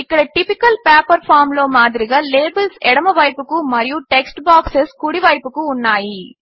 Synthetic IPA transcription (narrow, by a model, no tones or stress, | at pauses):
ɪkːɐɽɐʈɪpɪkːɐlpaːpɐɾfaːɾmloːmaːðɪɾɪɣɐleːbɐlsɛɽɐmɐʋɐːjpːɯkːɯmɐɾɪjũʈɛksʈbaːkseskʊɽiʋaːjpːɯkːɯ̃ʊnːaːji